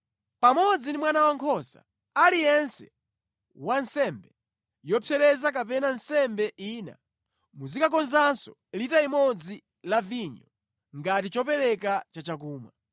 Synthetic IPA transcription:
pamɔd͡zindimwanawaŋkʰɔsa̰ | alijɛnsɛ | wansɛmbɛ | jɔpʰɛɾɛzak̬apɛnansɛmbɛʔina̰ | muzikak̬ɔnzansɔ | litaimɔd͡zi | laviɲɔ | ŋɡatit͡ʃɔpɛlɛkat͡ʃat͡ʃak̬uːma̰

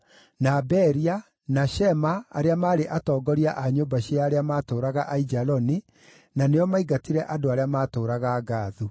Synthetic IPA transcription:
nabɛɾia | naʃɛma̰ːɾeamaːɾeʔatɔːɡɔɾiaʔaɲombaɕiaːɾeamaːtoːɾaɣaʔaid͡ʒalɔni | nanejɔmaiɡatiɾɛʔadoaɾeamaːtoːɾaɣaːɡaːðu

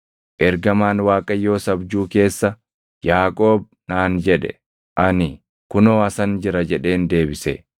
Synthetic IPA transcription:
ʔɛɾɡɐmaːnwaːkʼɐjːo̞ːsɐbd͡ʒuːke̞ːsːɐ | jaːkʼo̞ːb̚ | naːnd͡ʒɛᶑɛ̰ | ʔɐnɪ | kʊnoːɐsɐnd͡ʒɪɾɐd͡ʒɛᶑe̞ːnd̪e̞ːbɪsḛ

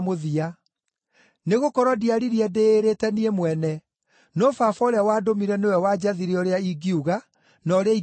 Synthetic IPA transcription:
moðia | neɣokɔɾɔdiaɾiɾiɛdeːɾetɛniemwɛnɛ | nɔfafɔɾeawaːdomiɾɛnewɛwad͡ʑaðiɾiɔɾeaiɡiuɣa | nɔɾeai

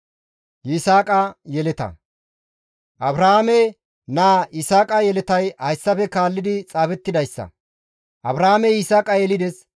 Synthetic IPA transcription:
ɪsaːkʼɐjɛlɛt̪ɐ̰ | ʔɐbɾɐhamɛ | naːʔɪsaːkʼɐjɛlɛt̪ɐjhɐjsːɐfɛkaːlːɪd̪ɪt͡sʼaːfɛt̪ːɪd̪ɐjsːɐ̰ | ʔɐbɾahamɛɪsaːkʼɐjɛlɪd̪ɛs

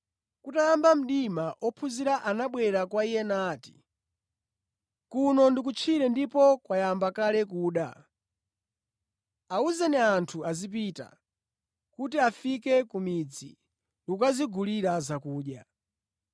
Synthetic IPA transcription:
kutajambam̩ɗimaʔɔpʰuziɾaʔanaɓwɛɾakwaijɛnaːti̥̰ | kunɔndikut͡ʃʰiɾɛndipɔkwajambakalɛk̬uːɗa̰ | auzɛnɛantʰuazip̬ita̰ | kutiafikɛkumid͡zḭ | lukaziɡʱuliɾazakuːɗja

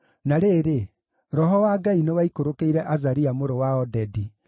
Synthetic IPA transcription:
naɾeːɾe | ɾɔɦɔwaɡainewaikoɾokeiɾɛʔazaɾiamoɾowaɔdɛdi

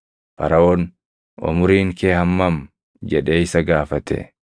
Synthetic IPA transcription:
fɐ̰ɾɐoːn | ɔ̰mʊɾiːŋkeːhɐmːɐm | d͡ʒɛᶑeːɪsɐɡaːfɐt̪ɛ̰

